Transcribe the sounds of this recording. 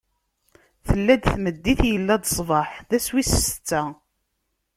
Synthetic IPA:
θəlːæd̪θməd̪ːiθjəlːæd̪sˤvɑħðæswisə̥st͡sːæ

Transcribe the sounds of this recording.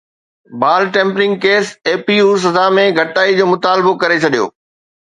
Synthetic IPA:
baːlʈẽːmpɾɪ̃ŋɡkeːseːpiuːs̬ɐzamẽɡʱɐʈaːid͡ʑoːmʊt̪aːlbokɐɾet͡ɕʰɐɗijo̰ː

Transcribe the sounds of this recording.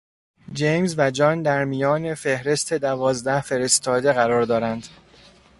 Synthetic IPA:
d͡ʒejmzvæd͡ʒɒːnd̪æɾmijɒːne̞fe̞hɾe̞st̪ʰe̞d̪ævɒːzd̪æhfe̞ɾe̞st̪ʰɒːd̪e̞ɣæɾɒːɾd̪ɒːɾænd̪̥

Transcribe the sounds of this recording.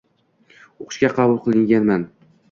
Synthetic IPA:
oqʰɨ̥ʃkʲaqʰɑbʊlˠqʰɨlˠɪŋɡʲanman

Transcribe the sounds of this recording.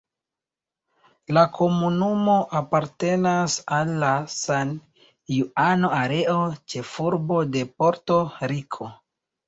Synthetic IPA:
lakʰo̞munumo̞ʔapaɾte̞nasalːasan | juano̞aɾe̞o̞t͡ʃe̞fuɾbo̞de̞po̞ɾto̞ɾikʰo̞

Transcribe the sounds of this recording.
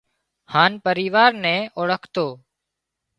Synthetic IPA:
haːnpəɾiːʋaːɾnɛ̃ːoːɽəkʰt̪oː

